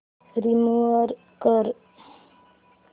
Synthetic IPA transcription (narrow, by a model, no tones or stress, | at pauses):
ɾimuəɾ | kəɾ